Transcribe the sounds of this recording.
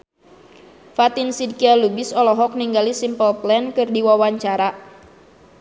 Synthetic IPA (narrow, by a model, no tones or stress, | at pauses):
fat̪insid̚kialubisɔlɔɦɔk̚niŋɡalisimpəlplɛnkɨrdiwawaɲt͡ʃaɾa